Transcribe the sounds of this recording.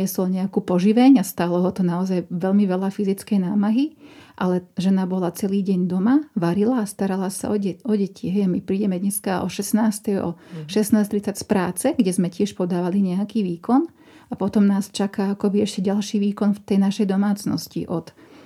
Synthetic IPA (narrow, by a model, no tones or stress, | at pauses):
ɛsɔlɲɛakuːpɔʒiʋɛɲast̪aːlɔɦɔt̪ɔnaɔzajʋɛʎmiʋɛlafizit͡skɛjnaːmaɦiʔalɛʒɛnabɔlat͡sɛliːɟɛɲd̪ɔmaʋaɾilaːst̪aɾalasa̰ɔɛɔɟɛcʰiɦɛjamipɾiːɟɛmɛd̪ɲɛskaɔ̰ʃɛsnaːst̪ɛjɔ̰ʃɛsnaːst̪ɾit͡sacspɾaːt͡sɛɡɟɛzmɛcɪɛʃpɔd̪aːʋaliɲɛakiːʋiːkɔn | apɔt̪ɔmnaːst͡ʃakaakɔbiɛʃcɛɟalʃiːʋiːkɔnft̪ɛjnaʃɛjd̪ɔmaːt͡snɔ̰scḭʔɔt̪